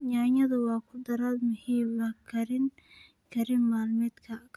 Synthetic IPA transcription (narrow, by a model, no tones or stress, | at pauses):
ɲaːɲɐðɐwɑːkʰʊd̪ɐɾalmʊhiːmbɐkʰɐɾɪn | kʰɐɾɪnmaːlmɛːd̪kʰɐk